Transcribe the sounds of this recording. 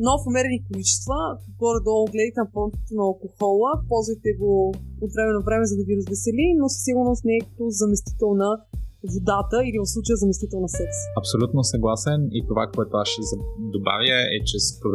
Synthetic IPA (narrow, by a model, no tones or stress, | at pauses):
nɔfɐmɛɾɛnikolit͡ʃɛ̥st̪vəkəkɡɔɾɐd̪ɔlˠɡlɛd̪ɐjt̪ɛnɐfɾɔnt̪i̥t̪onɐːlˠkoxɔlˠəpɔlˠzvɐjt̪ɛɡoːt̪vɾɛmɛnovɾɛmɛzɐd̪ɐviɾəzvɛsɛlinosə̥siɡʊɾnost̪nɛɛkə̥t̪ozɐmɛst̪i̥t̪ɛlˠnəvod̪at̪əilivɐfslˠut͡ʃəjəzɐmɛst̪it̪ɛlˠnɐsɛksɐpsolʲut̪nosɐɡlˠasɛnit̪ovakoɛt̪oasʃɛzɐd̪oba̰vjəɛt͡ʃɛspɾov